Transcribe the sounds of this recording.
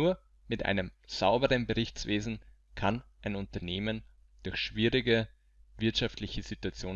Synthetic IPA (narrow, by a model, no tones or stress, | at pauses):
uːɐ | mɪtʔa̰ɪnəmz̥aʊbəʁənbəʁɪçt͡sv̥eːzn̩ | kʰanʔaɪnʊntɐneːmən | d̥ʊɐçʃv̥iːʁɪɡə | vɪɐtʃaftlɪçəz̥ituat͡sjoː